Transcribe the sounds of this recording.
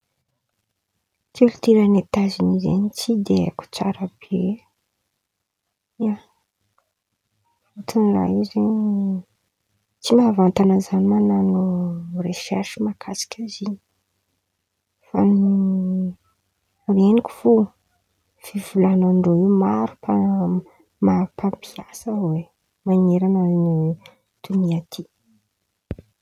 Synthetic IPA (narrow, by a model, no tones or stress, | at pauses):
t͡silut̪iɾanet̪azinizḛɲit͡sid̪eku̥t͡sa̰ɾabe | ia | fut̪unla̰izeɲ | t͡simavant̪anazanimananureʃɛ̰rʃimakʰasi̥kʲaziɲi̥ | fanu | renikʲu̥fu | fivulanaɳɖ͡ʐoimaɾupʰa | mapampʰiasəwe | maŋeɾanani | t̪uniat̪ʰi